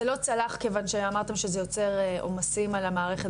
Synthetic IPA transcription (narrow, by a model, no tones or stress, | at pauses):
elo̞t͡salaχke̞vanʃeamaʁt̪e̞mʃezejo̞t͡se̞ʁʔo̰masimalamaːʁeχet